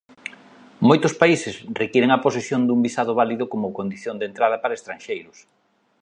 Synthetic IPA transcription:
mojt̪ʊspaisɪsrekjɛɾeŋɐposesjond̪umbisaðʊβaliðʊkomʊkond̪iθjond̪ent̪ɾaðɐpaɾɐest̪ɾanʃejɾʊs

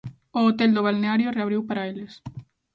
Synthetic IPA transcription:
oːt̪eld̪oβ̞alneaɾjoreaβɾiwpaɾajles

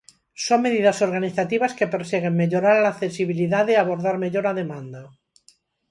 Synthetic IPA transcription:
soŋme̞ðiðaso̞ɾɣaniθat̪iβaskepeɾseɣ̞emmeʎoɾaɾlaːθesiβ̞iliðaðeaβoɾðaɾme̞ʎoɾaðe̞mãnd̪a

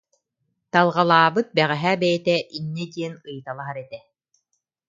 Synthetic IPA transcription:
t̪alˠʁalˠaːbɯt̪̚bɛʁɛɦæbɛjɛt̪ɛʔinːɛd̪iɛnɯjɯt̪alˠaɦaɾɛt̪ɛ

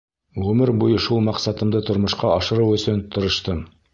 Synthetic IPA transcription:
ʁɵmɘɾbujɤʃulˠmɑqsɑt̪ɤ̆md̪ɤt̪ŏɾmŏʃqɑɑʃɤ̆ɾɤwɵ̆sɵnt̪ʰŏɾɤ̆ʃt̪ɤm

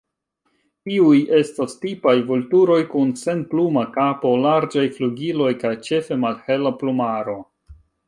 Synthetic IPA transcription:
tiuje̞stastipajvoltuɾo̞jkunse̞nplumakapo̞laɾd͡ʒajfluɡilo̞jkajt͡ʃe̞fe̞malhe̞laplumaɾo̞

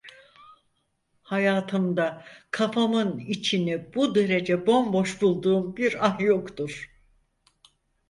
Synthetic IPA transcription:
hajaːt̪ʰɯmd̪akʰafamɯnit͡ʃʰinibud̪eɾed͡ʒɛbo̞mbo̞ʃbulˠd̪uːmbiɾanjokt̪uɾ̥

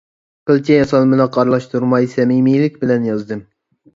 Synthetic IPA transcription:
qɨlˠt͡ʃʰʲɛjɑsɑlˠmɨnɑqʰɑɾlˠɑʃt̪ʰuɾmɑjsɛmimijlɪkʲbɪlɛnjɑzd̪ɨm

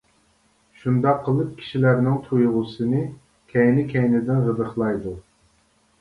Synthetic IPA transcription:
ʃund̪ɑqʰːəlˠɨp̚kʲʰi̥ʃilæɾnɪŋt̪ʰujʁʊsɨnɨ | kʲʰɛjnɪkʲʰɛjnɪd̪ɪnʁəd̪əχlˠɑjd̪u

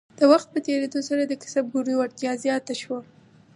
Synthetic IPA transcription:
d̪̥əwaxt̪̚pət̪eɾed̪osaɾad̪əkɪ̥sab̚ɡuɾioɪɾt̪jɑzjɑt̪aʃwa

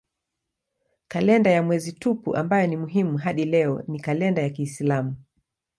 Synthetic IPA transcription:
kalɛndajamwɛzitupṵʔambajɔnimuɦimuɦaɗilɛɔnikalɛndajakiːslamu

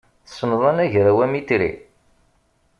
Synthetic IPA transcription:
θsənðˤɑnæʝɾæwæmit̪ɾḭ

